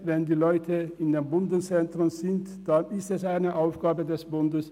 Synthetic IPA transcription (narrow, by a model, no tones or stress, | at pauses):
vɛndiːlɔʏtʰəɪndeːmbʊndənt͡sɛntʁʊnzɪnt | d̥anɪstɛsaɪnəʔaʊfɡ̥aːbədɛsb̥ʊndəs